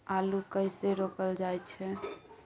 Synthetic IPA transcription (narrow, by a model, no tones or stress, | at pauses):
alukəɪseɾopəld͡ʒajt͡ʃʰɛ